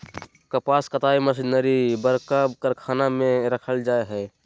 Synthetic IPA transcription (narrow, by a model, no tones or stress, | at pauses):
kəpaskət̪aiməs̬inəɾibəɾkəbkəɾkʰanamẽɾəkʰəld͡ʒaeɦɛː